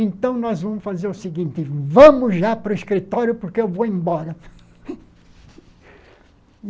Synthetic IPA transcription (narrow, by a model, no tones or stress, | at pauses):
ẽnt̪ɐ̃w̃nɔzvɐ̃mʊsfazeɾʊsɪɡĩnt̪ɪvɐ̃mʊzʒapɾʊɪskɾit̪ɔɾjʊpʊɾkeewvoẽbɔɾɐ